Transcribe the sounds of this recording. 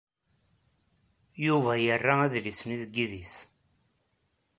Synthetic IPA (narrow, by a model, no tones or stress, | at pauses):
juvæjərːaæðlisniðəɡːiðis